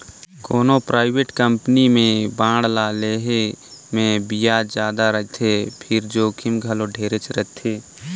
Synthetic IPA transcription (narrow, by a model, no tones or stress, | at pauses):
koːnopɾaːɪbeːʈkə̃mpnimẽbãːɽlaːleɦemẽbijad͡ʒjaːd̪aɾəɦt̪ʰepʰɪɾd͡ʒoːkʰɪmɡʱəloɖʱeːɾet͡ʃɾət̪ʰeː